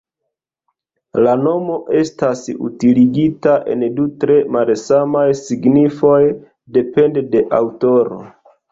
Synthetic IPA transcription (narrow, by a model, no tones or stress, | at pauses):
lano̞mo̞ʔe̞stasṵtiliɡitaʔe̞̰ndutɾe̞malsamajsiɡnifo̞j | de̞pe̞ndede̞ʔawto̞ɾo̞̰